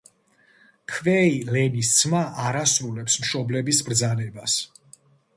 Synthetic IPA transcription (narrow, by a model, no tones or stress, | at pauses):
kʰvɛilɛnist̪sʰmaʔaɾasɾulɛpsmʃɔblɛbisbɾd̪zanɛbas